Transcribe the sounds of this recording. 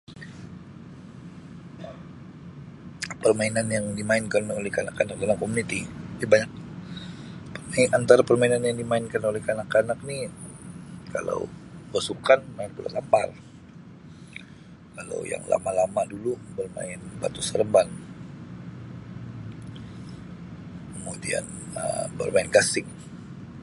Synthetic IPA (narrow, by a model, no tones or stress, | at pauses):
pərmainanjaŋdimaɪnkanolɛhkanakanak̚dalamkomunit̪idabaɲak̚ | pərmainant̪aɾapərmainanjaŋdimaɪnkanolɛhkanakanak̚ni | ka̰la̰wbasukanmaɪnpula̰lampar | kala̰wja̰ŋla̰malamadulubərma̰ɪnba̰t̪usəɾəmban | kəmudḭa̰n | ə̰bə̰rmaɪnkasɪŋ